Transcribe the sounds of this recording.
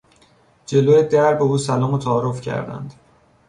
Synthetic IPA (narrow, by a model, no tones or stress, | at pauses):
d͡ʒe̞loːjed̪æɾbe̞uːsælɒːmot̪ʰæːɾofcʰæ̰ɾd̪æ̰nd̪̥